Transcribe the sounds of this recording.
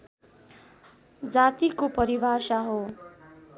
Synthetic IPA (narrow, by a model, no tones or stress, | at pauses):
d͡zat̪ikopʌɾibʱasaɦo